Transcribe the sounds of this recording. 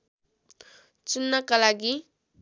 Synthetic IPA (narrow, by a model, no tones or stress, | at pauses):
t͡sunːakalaɡi